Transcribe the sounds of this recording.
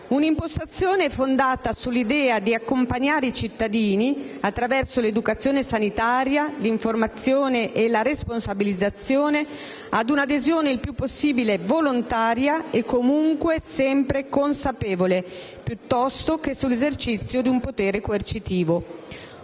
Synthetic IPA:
unimpost̪at̪sːjoːneɛfond̪aːt̪asulːid̪ɛːad̪iakːompaɲːaːɾeit͡ʃit̪ːad̪iːniat̪ːɾavɛrsoled̪ukat̪sːjoːnesanit̪aːɾjaliɱformat̪sːjoːneʔelaɾesponsabilid̪zːat̪sːjoːne | ad̪unad̪ezjoːneilpjupːosːiːbilevolont̪aːɾjaekːomuŋkwesɛmpɾekonsapeːvole | pjut̪ːɔst̪ok̟esulːezert͡ʃit̪sːjod̪iumpot̪eːɾekoert͡ʃit̪iːvo

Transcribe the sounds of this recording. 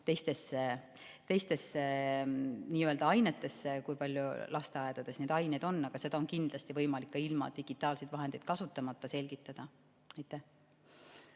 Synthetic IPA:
t̪e̞jst̪e̞se | t̪e̞jst̪e̞se | niːøld̪ɑɑjnet̪ˑːe̞sekujpɑlʲjulʔɑst̪e̞ɑjed̪̥ɑd̪̥e̞sne̞ːd̪ɑjnejd̪o̞nːɑɡ̥ɑse̞d̪̥ɑonkind̪lɑst̪ivɤ̞jmɑlikːɑilmɑ̰d̪̥iɡ̥it̪ːˑɑːlsed̪vɑɦe̞nd̪ejd̪̥̚kɑsut̪ːˑɑmɑt̪ˑːɑse̞lʲɡ̥it̪ˑːɑd̪̥ɑ | ɑjt̪ːˑæh

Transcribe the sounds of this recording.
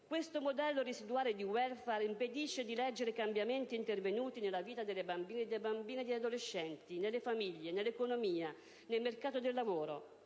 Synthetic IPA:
kwest̪omod̪ɛlːorisid̪uaːled̪iwɛlfaɾimped̪iʃːed̪ilɛd͡ʒːeɾekambjament̪iːnt̪ervenuːt̪inelːaviːt̪ad̪elːebambiːned̪ebambiːned̪ead̪oleʃːɛnt̪inelːefamiʎːenelːekonomiːa | nelmerkaːt̪od̪elːavoːɾo̰

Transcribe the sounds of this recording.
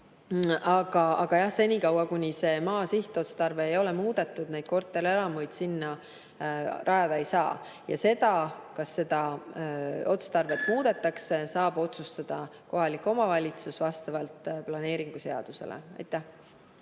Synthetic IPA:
ɑɡ̥ɑɑɡ̥ɑjɑhse̞nʲikɑwɑkunʲise̞ːmɑːsiht̪o̞t̪st̪ɑrve̞ːjo̞le̞muːd̪̥e̞t̪ːˑud̪̥nejd̪̥̚ko̞rt̪ːˑe̞ɾelɑmujd̪̥sinːɑ | rʔɑjɑd̪ɑejsɑː | jɑ̰se̞d̪ɑkɑsːe̞d̪̥ɑ | o̞t̪st̪ɑrve̞t̪ːˑmuːd̪̥e̞t̪ːˑɑksesɑːb̥o̞t̪sust̪ɑd̪̥ɑko̞ɦɑlikːˑo̞mɑvɑlʲit̪susvɑst̪ɑvɑlt̪plɑne̞ːɾiŋɡ̥use̞ɑ̰d̪̥use̞̰lḛɑ̰jt̪ˑːæ

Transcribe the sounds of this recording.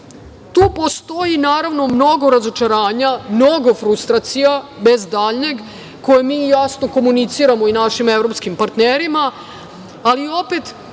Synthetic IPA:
t̪uːpo̞st̪o̞jinaːɾaʋno̞mno̞ɡo̞ɾazo̞t͡ʃaɾaːɲamno̞ɡo̞fɾust̪ɾat̪sijabe̞zd̪aːʎɲeɡ | ko̞jemiːjasno̞ko̞munit̪siɾamo̞inaʃimevɾo̞pskimpaɾt̪neɾimaː | lio̞pet̪

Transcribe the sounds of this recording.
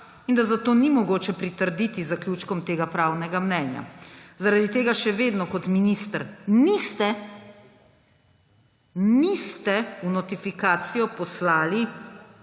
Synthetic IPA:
ind̪azat̪oːnimɔɡoːt͡ʃɛpɾit̪əɾd̪it̪izakljuːt͡ʃkɔmt̪eːɡapɾaːwnɛɡamnɛːnja̰zaɾad̪it̪eːɡaʃɛʋeːd̪nɔkɔt̪minist̪əɾnist̪ɛ | nist̪ɛunɔt̪ifikaːt̪sijɔpɔslaːli

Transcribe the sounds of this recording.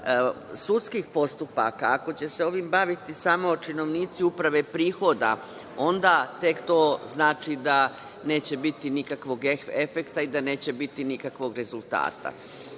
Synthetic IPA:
sut̪skixpo̞st̪upa̰kaːko̞t͡ɕe̞se̞o̞ʋimbaʋit̪isaːmoːt͡ʃino̞ʋniːt̪siupɾaʋe̞pɾiːxo̞d̪a̰ | o̞nd̪at̪e̞kt̪o̞ːznaːt͡ʃid̪a | ne̞ːt͡ɕe̞bit̪inikakʋo̞ɡeefe̞kt̪aid̪ane̞ːt͡ɕe̞bit̪inikakʋo̞ɡɾe̞zulˠt̪a̰ːt̪a̰

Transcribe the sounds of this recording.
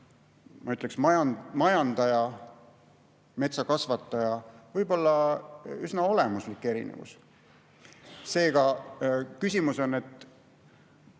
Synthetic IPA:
mɑyt̪ːˑleksmɑjɑmɑjɑnd̪̥ɑjɑ | me̞t̪sɑkɑsvɑt̪ːˑɑjɑvɤjbo̞lːɑysnɑo̞lemuslikːe̞ɾḭnḛvṵs | se̞ːɡ̥ɑ | kysʲimuso̞ne̞t̪ːˑ

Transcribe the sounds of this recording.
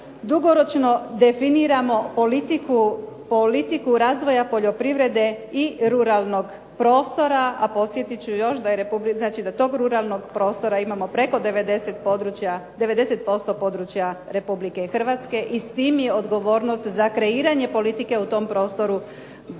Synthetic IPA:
d̪uɡo̞ɾo̞t͡ʃno̞d̪e̞finiɾamo̞po̞lit̪iku | polit̪ikuɾaːzʋo̞japo̞ʎo̞pɾiʋɾe̞d̪e̞ | iɾuɾalˠno̞ɡ | pɾo̞ːst̪o̞ɾaapo̞t̪sʲje̞t̪it͡ɕujo̞ʃd̪ajeɾepubliznaːt͡ʃid̪at̪o̞ːɡɾuɾalˠno̞ɡpɾo̞ːst̪o̞ɾaimamo̞pɾe̞ko̞d̪eed̪eset̪pod̪ɾut͡ʃjad̪e̞ʋe̞d̪e̞se̞t̪̚po̞st̪o̞po̞ːd̪ɾut͡ʃjaɾe̞publike̞xr̩ʋat̪ske̞ʔist̪iːmje̞o̞d̪ɡo̞ʋo̞ːɾnost̪zakɾe̞iːɾaɲe̞po̞lit̪ike̞ut̪o̞mpɾo̞ːst̪o̞ɾu

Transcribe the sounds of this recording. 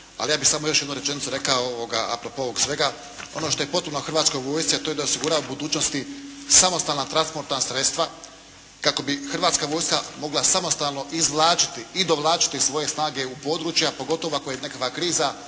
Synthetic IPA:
a̰lijaːbixsamojo̞ʃ̬jed̪nuɾe̞t͡ʃe̞nitsuɾe̞kaooʋoɡaa̰pɾopooʋoɡsʋeɡa | o̞̰no̞ʃt̪o̞je̞po̞t̪̚punoxrʋaːt̪sko̞jʋo̞ːjst̪iat̪oje̞d̪aosiɡuɾaobud̪uːt͡ɕno̞st̪isamo̞st̪aːlnat̪ɾanspo̞ɾt̪nasɾe̞t̪st̪ʋa | kako̞bixɾrʋaːt̪skaʋo̞ːjskamo̞ɡlasamo̞st̪aːlˠno̞ʔizʋlˠaːt͡ʃi̥t̪iːd̪o̞ʋlˠaːt͡ʃi̥t̪isʋo̞je̞snaːɡe̞upo̞ːd̪ɾuːt͡ʃjapo̞ɡo̞t̪o̞ʋoakojenekakʋakɾiːza

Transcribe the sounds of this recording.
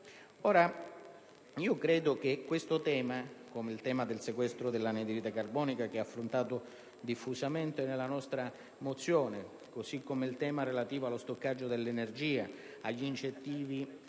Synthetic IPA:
oːɾa | iːokɾɛːd̪ok̟ekwest̪ʊt̪ɛːmakomeilt̪ɛːmad̪elsekwɛst̪ɾod̪elːaned̪ɾit̪akarbɔːnikak̟eɛafːɾont̪aːt̪ʊ | d̪ifːusament̪enelːanɔst̪ɾa | mot̪sːjoːne | kosikːomeilt̪ɛːmaɾelat̪iːvoalːost̪okːad͡ʒːod̪elːenerd͡ʒiːa | aʎːiint͡ʃent̪iːvi

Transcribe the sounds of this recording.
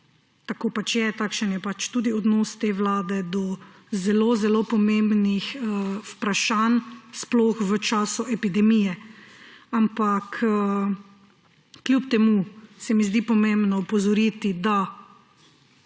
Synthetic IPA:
t̪akoːpat͡ʃjɛt̪akʃənjɛpat͡ʃt̪uːd̪iɔd̪noːst̪eːʋlaːd̪ɛd̪ɔ | zɛloːzɛlopɔmẽmbnixəu̥pɾaʃansploːxʋət͡ʃaːsuʔɛpid̪ɛmijɛ | ampakə | kljupt̪ɛmusɛmizd̪ipɔmẽmbnɔupɔzɔɾiːt̪id̪a

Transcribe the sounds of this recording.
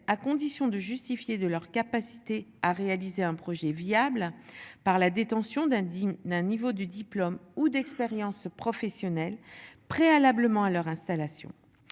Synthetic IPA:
akɔ̃d̪isjɔ̃d̪əʒyst̪ifjed̪əlœʁkapasi̥t̪eaʁealizeɛ̃pχɔʒɛviablpaʁlad̪et̪ɑ̃sjɔ̃d̪ɛ̃nivod̪əd̪iplɔmud̪ɛkspeʁjɑ̃spχɔfɛsjɔnɛlpχealabləmɑ̃alœʁɛ̃st̪alasjɔ̰̃

